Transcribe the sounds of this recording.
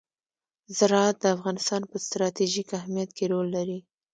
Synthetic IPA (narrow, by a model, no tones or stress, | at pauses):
zɪɾɑat̪̚d̪əafɣɑnɪst̪ɑnpəst̪ɾɑt̪iʒikahmijat̪keɾolːaɾi